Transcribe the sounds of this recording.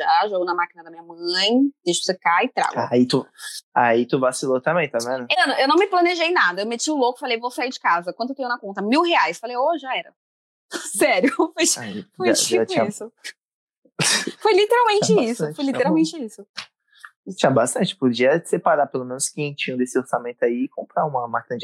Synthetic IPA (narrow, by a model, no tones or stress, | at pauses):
ʒaʒoɡownɐmakinɐd̪ɐmĩɲɐmɐ̃j̃d̪̥ejʃʊ̥sekaɪt̪ɾa̰ɡait̪uait̪uvasilot̪ɐ̃mbẽj̃t̪amẽnʊenɐ̃ewnɐ̃w̃mɪplɐ̃neʒejnad̪ɐewmet͡ʃiʊlokʊ̥falejvowsaiɾd͡ʒɪkazɐkwɐ̃d̪ʊet̪ẽj̃ʊnɐkõnt̪ɐmiwɦeajsfalejoʒaɛɾɐ | sɛɾjʊfojaifojit͡ʃʊ̃isʊ | fojlit̪eɾawmẽnt͡ʃɪisʊ̃fojlit̪eɾawwmẽnt͡ʃɪisʊ | t͡ʃĩɲɐbast̪ɐ̃nt͡ʃɪ̥pod͡ʒiɐsepaɾapelomẽnʊskiẽt͡ʃĩɲ̃d̪esɪoɾsamẽnt̪ʊaiɪkõmpɾaũmɐmakinɐd͡ʒɪ